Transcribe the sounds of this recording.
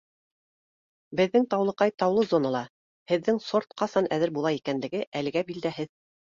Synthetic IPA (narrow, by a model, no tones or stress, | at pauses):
bɘ̆ðːɘŋt̪ɑwlˠɤ̆qɑjt̪ɑwlˠɤzonɑlˠɑ | hɘ̆ðːɘŋsoɾt̪̚qɑsɑnæðɘɾbulˠɑikænlɘ̆ɡɘʔælɘ̆ɡæbild̪æhɘð